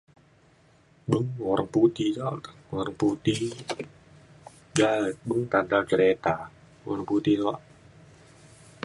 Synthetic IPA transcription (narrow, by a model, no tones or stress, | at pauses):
bəŋwɔɾəŋput̪it͡ʃawɔɾəŋput̪i | d͡ʒaət̪̚bəŋt̪andalt͡ʃəɾet̪a | wɔ̰ɾəŋput̪inɔaʔ